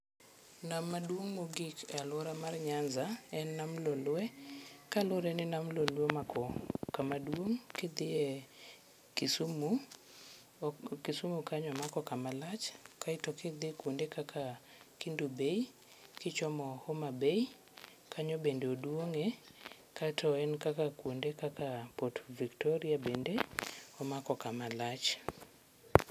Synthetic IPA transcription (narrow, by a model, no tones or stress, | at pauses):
namadwoŋmoɡikalʊɾamarɲanzaɛnːamlolwɛkalʊɾɛnɪnamlolomakɔkamadwoŋkɪd̪ɪɛ | kɪsumu | kisumukaɲɔmakɔkamalat͡ʃkaitɔkɪd̪ɪkwondekakʰa | kindubei | kɪt͡ʃɔmɔhɔmabei | kʰaɲɔbendeodwoŋe | katʰɔɛnkakakwondekakapotviktɔɾiabendeɔmakɔkamalat͡ʃ